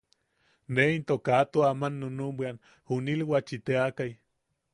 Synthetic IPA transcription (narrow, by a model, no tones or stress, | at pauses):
neint̪okat̪oamanːonumbʷan | hunilwat͡ʃit̪eakaj